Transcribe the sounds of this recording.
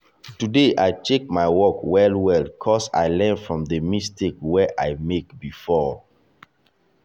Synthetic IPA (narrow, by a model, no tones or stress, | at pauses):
tudeʔaɪtek̚maɪwɔkwɛlwɛlkʰɔsa̰ɪlɛ̃nfɹɔ̃mdəmistekwɛʔaɪmekbifɔ